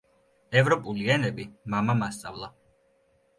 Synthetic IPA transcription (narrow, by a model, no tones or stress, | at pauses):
ɛvɾɔpʼuliɛnɛbimamamast̪sʼavlˠa